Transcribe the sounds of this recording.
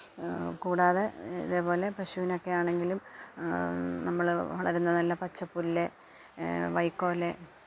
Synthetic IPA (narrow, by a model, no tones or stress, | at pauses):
kuːɽaːðeḭðeːpo̞ːle̞prɐɕuʋino̞kːe̞jaːɳe̞ŋɡilum | nɐmːɐɭʋɐɭɐɾunːɐnɐlːɐpɐt͡ɕːɐpːulːe | ʋɐjkːo̞ːle